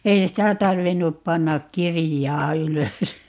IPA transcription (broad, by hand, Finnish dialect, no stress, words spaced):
ei sitæ tɑrʋinːup pɑnːɑk kirijɑː yløs